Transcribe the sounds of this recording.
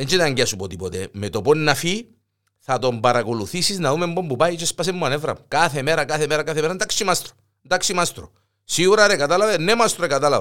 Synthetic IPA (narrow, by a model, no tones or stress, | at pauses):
ðent͡ʃet̪aɲɟeɐsupot̪ipot̪ḛmet̪oponːafi | θɐt̪o̞mbaɾakoluθisiznɐðumembombupajt͡ʃespas̬emːuanevɾɐ̰mukaθemeɾakaθemeɾakaθemeɾand̪aksimast̪ɾo̥ | nd̪aksimast̪ɾo̰ | siɣuɾaɾekat̪alɐvenːemast̪ɾoekat̪alɐv